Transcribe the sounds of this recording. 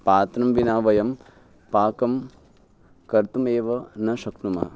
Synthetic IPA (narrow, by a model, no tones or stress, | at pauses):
paːt̪nɐmʋinaːʋɐjɐm | paːkɐm | kɐɾt̪umeːʋɐnɐʃɐknumɐɦɐ